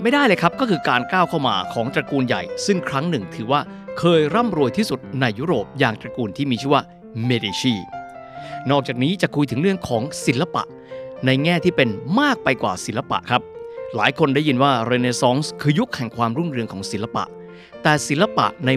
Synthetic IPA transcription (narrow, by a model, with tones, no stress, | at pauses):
ma˥˩jda˥˩jlɤː˧˩kʰa˦˥p̚kɔː˥˩kʰɯː˧kaː˧nkaː˥˩wkʰa˥˩wma̰ː˧kʰɔː˩˦ŋt̪ɾa˧kuː˧nja̰˨˩jsɯ˥˩ŋkʰɾa˦˥ŋnɯ˨˩ŋt̪ʰɯː˩˦waː˥˩ | kʰɤː˧jɾa˥˩mɾu˧jt̪ʰiː˥˩su˨˩t̪̚na˧jːuː˦˥ɾoː˨˩p̚jaː˨˧ŋt̪ɾa˧kuː˧nt̪ʰiː˥˩miː˧t͡ɕʰɯ˥˩waː˥˩ | meː˧deː˧t͡ɕiː˥˩ | nɔː˥˩k̚t͡ɕaː˨˩k̚niː˦˥t͡ɕa˨˩kʰu˧jt̪ʰɯ˩˦ŋɾɯ˥˩əŋkʰɔː˩˦ŋsi˩˦nlːa˧pa̰˨˩ʔ | na˧jŋɛː˥˩t̪ʰiː˥˩pe˧nmaː˥˩k̚pa˧jkwaː˨˩si˩˦nla˧pa̰˨˩ʔkʰɾa˦˥p̚laː˩˦jkʰo˧nda˥˩jːi˧nwaː˥˩ɾe˧neː˧sɔː˦˥ŋskʰɯː˧ju˦˥k̚hɛ˨˩ŋkʰwaː˧mɾu˥˩nɾɯ˧əŋkʰɔː˩˦ŋsi˩˦la˧pa̰˨˩ʔ | t̪ɛː˨˩si˩˦la˧pa̰˨˩ʔna˧